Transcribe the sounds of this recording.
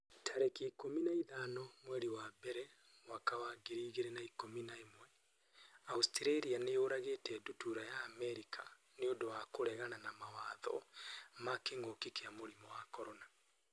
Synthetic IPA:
tʰaɾekiːkominaiðanɔmwɛɾiwabɛɾɛ | wakawaɡeɾiːɣeɾɛnaikominaemwɛ | austiɾaiɾianejoɾaɣeːtɛdutuɾajaːmɛɾikʰa̰ | neodowakoɾɛɣananamawaðɔ̰makeŋɡokikeamoɾimɔwakɔɾɔna

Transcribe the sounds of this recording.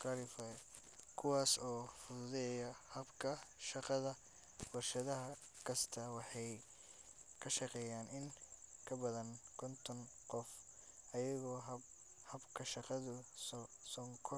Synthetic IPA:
kɐlɪfɐ | kʰʊwɑːsɔːfʊðʊðɛjɐhɐbkʰɐʃɑqɑðɐ | bʊrʃɐðɐɦɐ | kʰɐst̪ʰɐwɑħɑj | kʰɐʃɑqɛːjaːnʔɪnkʰɐbɐðɐnkʰɔnt̪ʰɔn | qɔf | ʔɐjɐɣɔːɦ | hɐbkʰɐʃɑqɑðʊ | sɔŋkʰɔ

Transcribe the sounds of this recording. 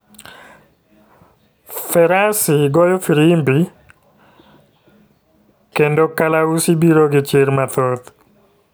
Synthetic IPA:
fɛɾasiɡɔjɔfiɾimbi | kendokalausibiɾoɡɪt͡ʃɪɾmat̪ot̪

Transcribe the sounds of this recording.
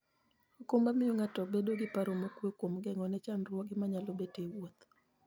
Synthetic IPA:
okombamɪoŋatɔbedoɡɪpaɾomokwekwomɡɛŋɔnɛt͡ʃanrwɔɡɪmaɲalobetewot̪

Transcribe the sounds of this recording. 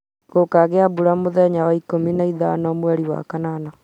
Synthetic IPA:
ɣokaɣeabuɾamoðɛɲaɣaikominaiðanɔmwɛɾiwa̰kanana

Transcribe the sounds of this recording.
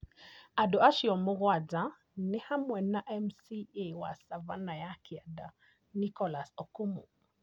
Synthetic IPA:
adɔaʃiɔmuɣwad͡za | nɪhamwɛnaʔɛmsiewa̰savanajakʰiada | nikɔlasɔkumṵ

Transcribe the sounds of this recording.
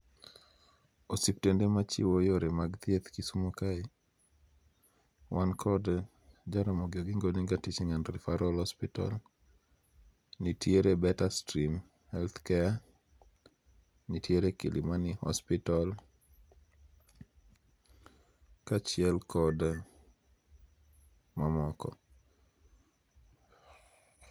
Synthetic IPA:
osiptendemat͡ʃḭwojoɾemaɡt̪et̪kisumokai | wʔankʰɔd | d͡ʒaɾɔmoɡɪoɡɪŋɡoniŋɡatit͡ʃɪŋanɾɪfaɾɔlhɔspɪta̰l | nitjeɾebɛtastɾim | hɛlt̪kɛa | nitjeɾekḭlʔimanihɔ̰spital | kat͡ʃɪɛlkɔd | mamɔkɔ̰

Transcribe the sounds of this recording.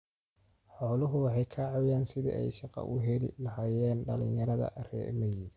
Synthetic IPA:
ħɔːlʊɦʊwɑħɑjkʰɐʕɑwjaːnsɪðḭʔɛ̰jʃɑqɑ̰ʔʊɦɛlɪ̰lɐɦaːjɛːnɖɐlɪ̰̃njɐɾɐðɐ̰rɛ̰ːmɐjɪ

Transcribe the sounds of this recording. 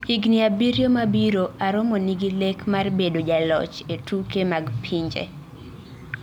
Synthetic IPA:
iɡniabiɾjomabiɾoaɾʊmɔniɡilekmarbedod͡ʒalɔ̰t͡ʃetukemaɡpʰiɲd͡ʒḛ

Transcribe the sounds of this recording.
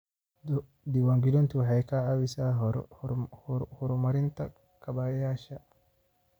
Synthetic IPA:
d̪ɪwaŋɡid̪ɔnt̪ʊwaħɛjkɐʕawɪsaːɦ | hʊɾmɐɾɪnt̪ʰɐ | kʰɐbajaːʃɐ

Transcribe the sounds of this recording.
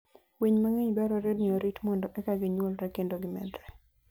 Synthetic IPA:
weɲmaŋeɲbɛɾɔɾednɪoɾitmɔndɔʔɛkaɡɪɲwɔlɾɛkendoɡɪmɛ̰dɾɛ

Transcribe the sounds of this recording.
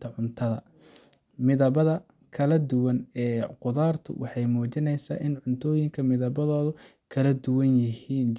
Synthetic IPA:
t̪ʰɐʕʊnt̪ʰɐðɐ̰ | mɪðɐβɐðɐ | kʰɐlɐd̪ʊwɐnɛːqʊðaːrt̪ʰʊ̰wʔɑħɑjmuːt͡ʃɪnɛjsa̰ːʔɪnʕʊnt̪ʰɔːjɪŋkʰɐmɪðɐβɐðɔːðʊ | kʰɐlɐd̪ʊwɐnjɪhiːn

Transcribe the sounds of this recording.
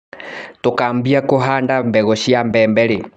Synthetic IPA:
tokaːmbiakoɦandambɛɣɔʃiambɛːmbɛɾe

